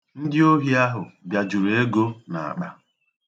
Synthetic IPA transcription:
n̩˦dɪ˦o˦ɦi˦a˦ɦʊ˨bja˨d͡ʒu˨ɾe˦ɡo˦na̰˨a̰˨k͡pa̰˨

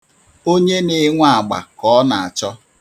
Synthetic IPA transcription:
o˦ɲe˦nɪ˨˦ŋʷa˦˨a˨ɡ͡ba̰˨kɔ˨˦na˨a˨t͡ʃɔ˦

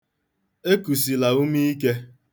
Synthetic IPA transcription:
e˦ku˨si˨la˨u˦mi˦i˦ke˦

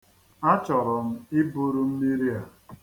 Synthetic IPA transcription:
a˦t͡ʃɔ˨ɾɔ˨m̩˦ɪ˦bu˦ɾu˦m̩˦mi˦ɾi˦a˨

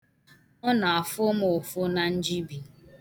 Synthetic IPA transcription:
ɔ˦na˨a˨fʊ˦mʊ˨fʊ˦na˨n̩˦d͡ʒi˦bi˨

